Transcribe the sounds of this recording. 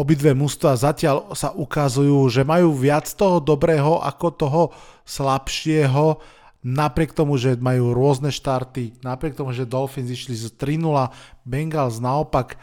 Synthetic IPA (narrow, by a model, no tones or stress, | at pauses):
ɔbid̪ʋɛːmust̪ʋazacɪalsaʔukazujuːʒɛmajuːʋɪat͡st̪ɔɦɔd̪ɔbɾɛːɦɔʔa̰kɔt̪ɔɦɔslapʃɪɛɦɔ | napɾɪɛkt̪ɔmuʒɛmajuːɾʊɔznɛʃt̪aɾt̪inapɾɪɛk̚t̪ɔmuʒɛd̪ɔlfinziʃlizt̪ɾinulabɛŋɡalznaɔpak